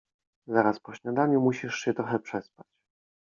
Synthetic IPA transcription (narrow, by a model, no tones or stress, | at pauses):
zaɾaspɔɕɲad̪aɲumuɕiʂɕɛt̪ɾɔxɛpʂɛspat͡ɕ